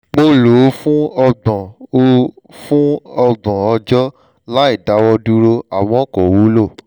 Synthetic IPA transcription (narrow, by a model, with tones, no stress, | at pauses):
mo˧lo˨˦fũ˦ɔ˧ɡ͡bɔ̃˨o˦ | fũ˦ɔ˧ɡ͡bɔ̃˨ɔ˧d͡ʒɔ˦ | la˦i˦˨da˨˦wɔ˧du˧ɾo˧a˨w̃ɔ̃˨˦˨kɔ˨wu˨˦lo˦˨